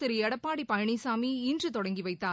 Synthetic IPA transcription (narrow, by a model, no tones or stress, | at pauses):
ɪɾɪɛɽɐpːaːɽipɐjɐɳisaːmiːndrɯt̪ɔɽɐŋɡiʋɐɪt̪ːaː